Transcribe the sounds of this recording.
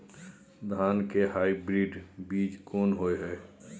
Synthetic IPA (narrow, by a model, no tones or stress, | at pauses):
d̪ʱaːnkeɦaːibɾiːɖbiːd͡ʒkoːnɦoːeɦɛː